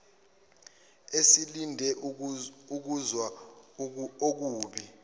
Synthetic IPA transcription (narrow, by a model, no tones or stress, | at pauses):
esilindʱɛ | uk̬uzwa | ok̬uːɓi